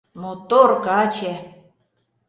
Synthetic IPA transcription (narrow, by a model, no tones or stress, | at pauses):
not̪orkɑt͡ɕe